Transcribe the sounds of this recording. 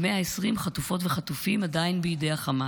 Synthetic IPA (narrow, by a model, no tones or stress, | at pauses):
meaesʁimχat̪ufo̞tveχat̪ufimadainbeidejaχama